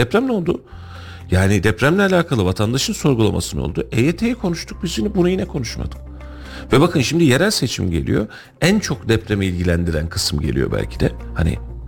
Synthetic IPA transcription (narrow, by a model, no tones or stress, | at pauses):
d̪̥ɛpɾæmlʲɛo̞lˠd̪u | jaːnid̪ɛpɾæmlʲɛalʲaːkʰalˠɯvat̪ʰand̪aʃɯnso̞ɾɡulˠa̰mʔa̰sɯnɯo̞̰lˠd̪uʔejeːt̪ʰejikʰo̞nuʃt̪ʰuk̚bizinibunujinɛkʰo̞nuʃma̰d̪̥ɯ̥k | vɛbakʰɯnʃimd̪ije̞ɾælʲse̞t͡ʃʰḭmɟe̞lʲḭjo̞̰ | ænt͡ʃʰo̞kd̪ɛpɾemiilʲɟilʲænd̪iɾæ̰nkʰɯ̥sɯmɟe̞̰lʲḭjo̞̰bæ̰lʲcʰid̪ɛ̰hanḭ